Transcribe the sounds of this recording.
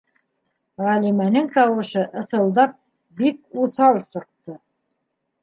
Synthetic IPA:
ʁælimænɘŋt̪ɑwɤ̆ʃɤʔɤ̆θɤ̆lˠd̪ɑp̚ | bik̚uθɑlˠsɤ̆q̚t̪ɤ

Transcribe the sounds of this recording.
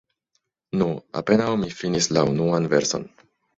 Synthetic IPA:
nua̰pe̞nawmifinislaunuanve̞ɾso̞̰n

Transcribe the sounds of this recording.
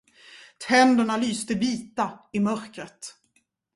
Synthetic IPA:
t̪ʰɛnd̪əɳalyːst̪əviːt̪aɪmœɾkɾət̪

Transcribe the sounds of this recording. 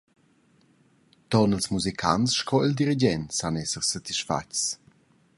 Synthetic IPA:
t̪ɔnəlsmuzikʰa̰nsʃkʰɔild̪iɾid͡ʒɛntsanɛsəʁsat̪iʃfa̰t͡ʃt͡s

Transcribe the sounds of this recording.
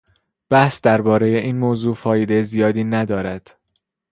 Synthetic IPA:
b̥æhsd̪æɾbɒːɾe̞je̞ʔiːnmoːzuːfɒːjed̪e̞jzijɒːd̪iːnæd̪ɒːɾæd̪̥

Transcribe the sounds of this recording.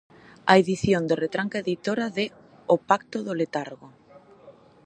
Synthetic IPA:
aeðiθjond̪eret̪ɾaŋkaeðit̪oɾaðe | opakt̪oðolet̪aɾɣo

